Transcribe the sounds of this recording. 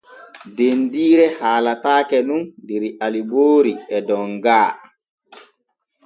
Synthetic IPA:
dendiːɾɛhaːlataːkɛnundeɾiʔaliboːɾiɛdɔŋɡaː

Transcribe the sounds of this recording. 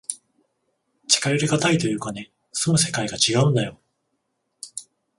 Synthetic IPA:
t͡ɕi̥kaɾeɾɯɡat̪ait̪o̞jɯ̟ːkane̞ | sɨmɯ̟se̞kaiɡat͡ɕiɡaɯ̟̃nd̪ajo̞

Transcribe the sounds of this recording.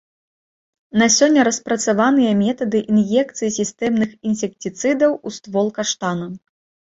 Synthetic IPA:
nɐsʲɔnʲːɐɾɐspɾɐt̪savan̪ɨjɐmʲɛt̪ɐd̪ɨʔinjɛkt̪sɨjisʲist̪ɛmnɨxinsʲɛk̚tʲit̪sɨd̪ɐwust̪vɔlˠkaʂt̪anɐm

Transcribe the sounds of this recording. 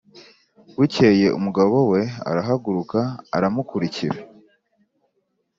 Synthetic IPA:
wiceːje̞ʔṵmuɡaβo̞we̞a̰ɾaɦaɡuɾuka̰ːɾamukuɾiciɾa

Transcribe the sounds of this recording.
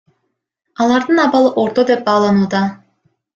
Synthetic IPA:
ɑlˠɑɾd̪ɯnɑβɑlˠɯʔo̞ɾt̪o̞d̪e̞p̚bɑːlˠɑnuːd̪ɑ

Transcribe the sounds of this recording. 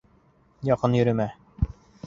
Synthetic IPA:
jɒqɤnjɵ̆ɾɵ̆mæ

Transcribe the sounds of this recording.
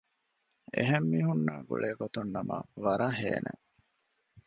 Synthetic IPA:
ḛɦemːiːɦunːa̰ːɡṵɭeːɡot̪unːɐmɐ̰ʋɐɾaɦḛːnʔḛ

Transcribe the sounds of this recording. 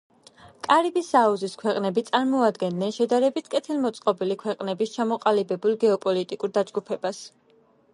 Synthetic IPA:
kʼaɾibisauziskʰwɛqʼnɛbit̪sʼaɾmɔad̪ɡɛnd̪nɛnʃɛd̪aɾɛbit̪ʰkʼɛt̪ʰilˠmɔt̪sʼqʼɔbilikʰwɛqʼnɛbist͡ʃʰamɔqʼalibɛbulˠɡɛɔpʼɔlit̪ʼikʼuɾd̪ad͡ʒɡupʰɛbas

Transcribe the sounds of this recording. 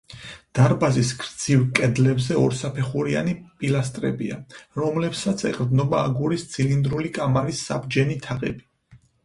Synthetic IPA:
d̪̥aɾbazisɡɾd̪z̥ivkʼɛd̪lɛbzɛɔɾsapʰɛχuɾia̰nipʼilast̪ʼɾɛ̰bḭaɾɔmlɛpsat̪sʰɛ̰qʼɾd̪nɔbaːɡuɾist̪sʰilind̪ɾulikʼamaɾisːa̰bd͡ʒɛnit̪ʰaqʼɛ̰bi

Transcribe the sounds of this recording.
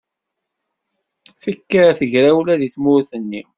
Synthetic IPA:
θəkːəɾθəʝɾæwlæðiθmʊɾθənːi

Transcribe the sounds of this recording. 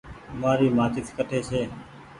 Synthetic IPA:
maːɾiːmaːt͡ʃɪt̪ʰkəʈʰeːsʰeː

